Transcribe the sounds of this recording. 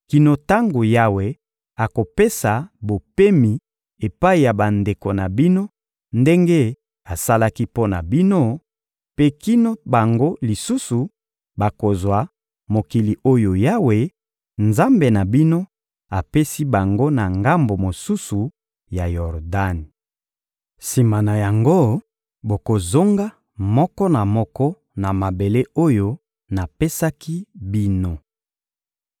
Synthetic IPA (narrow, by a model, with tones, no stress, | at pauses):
ki˨no˨ta˦ŋɡo˨ja˦we˨ | a˨ko˨pe˦sa˨bo˨pe˦mi˨ | e˨pa˦i˨ja˨ba˨nde˨ko˨na˨bi˦no˦ | nde˦ŋɡe˦ | a˨sa˦la˦ki˦po˦na̰˨bi˦no˦ | pe˦ki˦no˦ba˨ŋɡo˦li˨su˦su˨ | ba˨ko˨zwa˨ | mo˨ki˨li˨o˦jo˨ja˦we˨ | nza˦mbe˨na˨bi˦no˦ | a˨pe˦si˦ba˨ŋɡo˦na˨ŋɡa˦mbo˨mo˨su˦su˨ | ja˨jɔ˨ʁda˦ni˨ | si˨ma˨na˨ja˨ŋɡo˦ | bo˨ko˨zo˦ŋɡa˦ | mɔ˦kɔ˦na˨mɔ˦kɔ˦ | na˨ma˨be˨le˦o˦jo˦ | na˨pe˦sa˦ki˦bi˦no˦